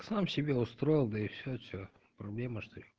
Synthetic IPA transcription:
samsʲɪbʲeʊst̪ɾojɪlˠd̪ɐɪfsʲosʲo | pɾɐblʲeməʂt̪o

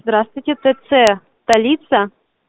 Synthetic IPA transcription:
zd̪ɾast̪vʊjtʲet̪ɛt̪sɛst̪ɐlʲit̪sɐ

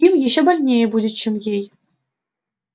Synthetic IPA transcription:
imʲjiɕɘ̆bʲɘ̆lʲnʲebudʲɘ̆t͡ɕɘ̆mʲjʲej

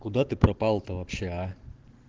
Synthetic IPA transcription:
kʊd̪at̪ɨpɾɐpalˠt̪ɐvɐpɕea

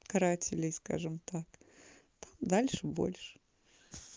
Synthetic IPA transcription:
kɐɾatʲɪlʲɪjska̰ʐɨmt̪ak | t̪amd̪alʲʂɨbo̰lʲʂɨ̥

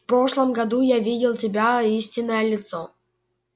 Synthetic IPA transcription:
fpɾo̞ʂlˠəmɡɐd̪ujavʲidʲɪlˠtʲɪbʲaisʲtʲɪnːəjəlʲɪt̪so

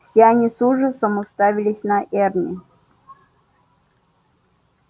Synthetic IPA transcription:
fsʲeanʲisuʐəsəmʊst̪avʲɪlʲɪsʲnaʔɛrnʲɪ

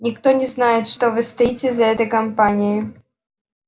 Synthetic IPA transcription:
nʲɪkt̪onʲɪznajɪt̪ʂt̪ovɨst̪ɐitʲɪzɐɛt̪əjkɐmpanʲɪjɪ

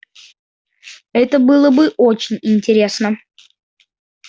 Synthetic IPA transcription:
ɛt̪əbɨlˠəbɨʔot͡ɕɪnʲɪnʲtʲɪɾʲe̞snə

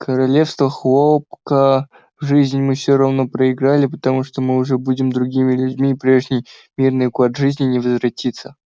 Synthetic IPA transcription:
kʰəɾɐlʲefst̪vəxlˠopkə | vʐɨzʲnʲmɨfsʲoɾɐvno̞pɾəɪɡɾalʲɪpət̪ɐmuʂt̪omɨʊʐɛbudʲɪmd̪ɾʊɡʲimʲɪlʲʉdʲmʲiːpɾʲe̞ʐnʲɪjmʲirnɨjkad̪ʐɨzʲnʲɪnʲɪvəzvɾɐtʲit̪sːə

